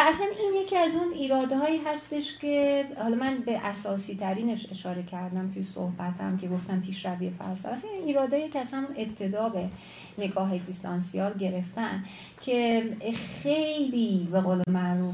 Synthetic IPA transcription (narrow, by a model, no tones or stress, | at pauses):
æsæninje̞cʰiæzuniːɾɒːd̪hɒːiːɦæst̪e̞ʃcʰe̞hɒlɒmænbeʔæsɒːsiːt̪ʰæɾiːne̞ʃe̞ʃɒːɾe̞cʰæɾd̪æmt̪ʰujso̰hbæt̪ʰhæ̰mcʰe̞ɡoft̪æmpʰiːʃɾæviːjefæ̰lsæ̰mæsæniniːɾɒːd̪ɒːjecʲʰeæzhæmune̞p̚t̪ʰe̞d̪ɒːbe̞ | ne̞ɡɒːɦe̞ɡzist̪ʰɒnsiɒːlɟe̞ɾe̞ft̪æn | cʰe̞xe̞jliːbe̞ɣoːlemæʔɾuːf